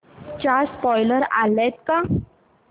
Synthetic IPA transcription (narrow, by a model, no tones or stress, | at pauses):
t͡ɕaspɔjləɾa̰lɛt̪ka